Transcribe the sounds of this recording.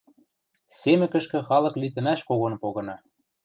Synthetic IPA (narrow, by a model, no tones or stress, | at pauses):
semɘ̆kə̆ʃkɘ̆xɑlɤ̆klit̪ə̆næʃkoɣɤ̆npoɣɤ̆nɑ